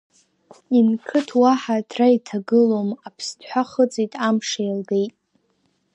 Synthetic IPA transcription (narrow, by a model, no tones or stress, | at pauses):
inkʰɨtʰwaħadʰraitʰaɡɨlomapʰstʰħʷaχət͡sʼitʼamʂajlɡe̞jtʼ